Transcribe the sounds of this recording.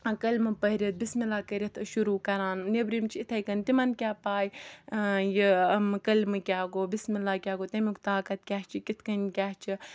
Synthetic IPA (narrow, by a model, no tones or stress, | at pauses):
kɐlʲmɨpɐɾit̪̚bismilaːkɐɾʲit̪ʰɨʃuɾuːkɐɾaːnnebɾimt͡ʃʰiit̪ʰɐjkɐnt̪imɐnkʲaːpaːj | jimkɐlmɨkʲaːɡoːbismilaːkʲaːɡoːt̪ɐmʲikt̪aːkɐt̪̚kʲaːɦt͡ʃʰikʲit̪ʰkɐnʲkʲaːɦt͡ʃʰi